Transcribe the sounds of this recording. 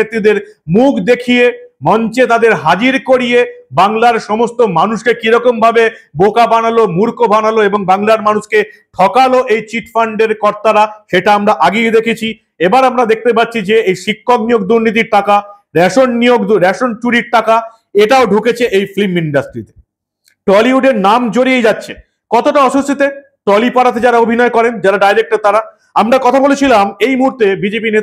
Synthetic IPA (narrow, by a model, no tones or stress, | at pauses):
et̪ːid̪eɾmukʰd̪ekʰijemɔnt͡ɕet̪ad̪eɾɦad͡ʑiɾkoɾijebaŋlaɾʃɔmost̪omanuʃkekiɾɔkombʱabebokabanalomuɾkobʱanaloeboŋbaŋlaɾmanuʃke | ʈʰɔkaloʔejt͡ɕiʈfaɳɖeɾkɔɾt̪aɾaʃeʈaamɾaʔaɡejd̪ekʰet͡ɕʰi | ebaɾamɾad̪ek̚ʰt̪ep̬atːɕʰid͡ʑeejʃikʰːoknijoɡd̪uɾnit̪̬iɾʈaka | ɾɛʃonnijoɡ̪ɾɛʃont͡ɕuɽiɾʈaka | eʈaoɖʱuket͡ɕʰeʔejfliminɖasʈɾit̪e̥ | ʈɔliuɖeɾnamd͡ʑoɾiejd͡ʑatːɕʰe | kɔt̪oʈaɔʃust̪it̪e | ʈɔlipaɾat̪̬ed͡ʑaɾaobʱinɔekɔɾend͡ʑaɾaɖajɾek̚ʈaɾt̪aɾa | amɾakɔt̪ʰabolet͡ɕʰilamejmuɦuɾt̪ebid͡ʑepinet̪